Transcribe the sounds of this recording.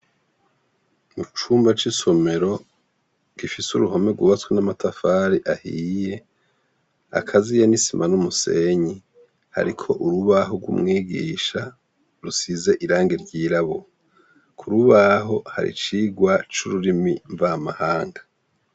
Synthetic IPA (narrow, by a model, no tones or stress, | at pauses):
mut͡ʃuːmbat͡ʃiso̞me̞ɾo̞ | ɡifisuɾuhome̞ɡuβat͡swenamatafaːɾiʔahiːje̞ | a̰kʰazijanisimanumuse̞ɲi | ha̰ɾikʰo̞ʔuɾuβaɦoɡwṵmŋiːɡḭːʃa | ɾusize̞ʔiɾaːŋɡiɾɟiːɾaβo | kʰuɾuβaɦo̞ha̰ɾḭt͡ʃiːɡwat͡ʃuɾuɾimiɱvamahaːŋɡa